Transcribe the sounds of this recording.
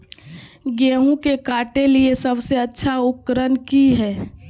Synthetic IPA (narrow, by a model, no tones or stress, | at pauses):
ɡeːɦũkekaːʈeliesəbseətːʃʰaʊkkːəɾənkiɦɛː